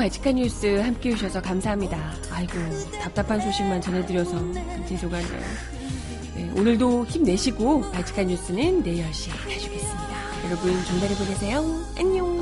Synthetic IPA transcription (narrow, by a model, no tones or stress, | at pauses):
paɭt͡ɕʰi̥kʰaɲːus͈ɯhamk͈e̞uɕ̬ʰʌsʰʌkamsʰaɦamɲidaː | iɡo | tap̚t͈apʰansʰoɕʰik̚mant͡ɕʌnɦe̞dɯɾjʌsʰʌkɯt͡ɕʰed͡ʑʰoɡandḛjo̰ | ne̞onɯɭdoçimne̞ɕʰiɡopaɭt͡ɕʰi̥kʰaɲːus͈ɯnɯnːe̞jʌɭɕ͈i | hʰaɕʰuɡe̞s͈ɯmɲida | jʌɾʌbɯnt͡ɕʌŋd͡ʑaɾeboɡesʰejo | aɲo